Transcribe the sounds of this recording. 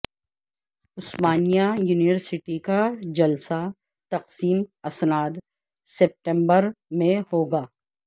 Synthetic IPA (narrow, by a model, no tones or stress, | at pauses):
ʊsmaːnijajuːnɪʋəɾsɪʈikad͡ʒɐlsa | t̪ɐqsiːmɐsnaːd̪ | sɛp̚ʈɛ̃mbəɾmẽhoːɡaː